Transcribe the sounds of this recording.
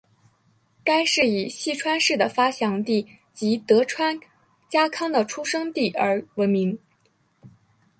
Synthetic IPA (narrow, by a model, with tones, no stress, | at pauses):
ka˥ɪʂɻ̩˥˩i˨˩ɕi˥˩ʈ͡ʂʰwa˥nʂɻ̩˥˩d̪ə˩fa˥ɕjɑ˧˥ŋt̪i˥˩ | t͡ɕi˧˥t̪ɤ˧˥ʈ͡ʂʰwa˥n | t͡ɕja˥kʰɑ˥ŋd̪ə˨ʈ͡ʂʰu˥ʂɤ˥ŋt̪i˥˩ə˞˧˥wə˧˥nmi˧˥ŋ